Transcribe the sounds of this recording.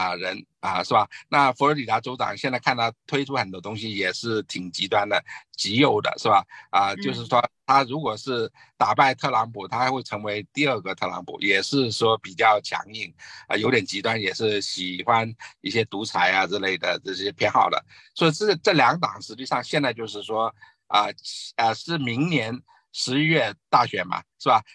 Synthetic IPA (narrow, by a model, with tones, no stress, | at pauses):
ə˧ɻə˧˥n | ə˧ʂɻ̩˥˩ba˩na˥˩fɔ˧˥lə˧˥li˨˩t̪a˧˥ʈ͡ʂo˥ʊʈ͡ʂɑ̰˨˩ŋɕjɛ˥˧nt͡sa˥ɪkʰa˥˧nt̪ʰɑ˥˩t̪ʰwe˥ɪʈ͡ʂʰu˥xə˨˩nt̪wɔ˥t̪ʊ˥ŋɕi˧jɛ˨˩ʂɻ̩˥˩t̪ʰi˨˩ŋt͡ɕi˧˥t̪wa˥nd̪ə˨t͡ɕi˧˥jo˨˩ʊd̪ə̰˩˦ʂɻ̩˥˩ba˨˩ə˧t͡ɕjo˥˧ʊʂ̬ɻ̩˥˩ʂwɔ˥t̪ʰa˥ɻu˧˥kwɔ˨˩ʂɻ̩˥˩ | t̪a˨˩pa˥˧ɪt̪ʰɤ˥˩lɑ˧˥ŋpʰu˨˩t̪ʰa˥xwe˥˩ɪʈ͡ʂʰɤ˧˥ŋwe˧˥ɪt̪i˥˧ə˞˥˩ɡə˨˩t̪ʰɤ˥˩lɑ̰˧˥ŋpʰṵ˨˩jɛ˨˩ʂɻ̩˥˧ʂwɔ˥pi˨˩t͡ɕjɑ˥˩ʊt͡ɕʰjɑ̰˧˥ŋi˥˩ŋə˧jo˧˥ʊt̪jɛ˨˩nt͡ɕi˧˥t̪wa˥njɛ˨˩ʂɻ̩˥˩ɕi˨˩xwa˥ni˥˩ɕjɛ˥t̪u˧˥t͡sʰa˧˥ɪa˧ʈ͡ʂɻ̩˥˧le˥˩ɪd̪ə̰˩ʈ͡ʂɤ˥˩ɕjɛ˥pʰjɛ˧˥nxɑ̰˨˩ʊd̪ə̰˦˩ | swɔ˧˥i˧˩ʈ͡ʂɤ˥˩ʈ͡ʂɤ˥˩ljɑ˧˥ŋt̪ɑ˨˩ŋʂɻ̩˧˥t͡ɕi˥˧ʂɑ˥˧ŋɕjɛ˥˧nt͡sa˥˧ɪt͡ɕjo˥˧ʊʂɻ̩˥˩ʂwɔ˥ | ə˧˥ə˧ʂɻ̩˥˩mi˧˥ŋnjɛ˧˥n | ʂɻ̩˧˥ɥɛ˥˧t̪a˥˩ɕɥɛ˧˥mɐ̰˧˩ʂɻ̩˥˩ba˨˩